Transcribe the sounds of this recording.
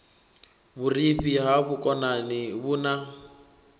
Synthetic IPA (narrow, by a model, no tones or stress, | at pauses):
buriɸiɦaβukʼɔnaniβuna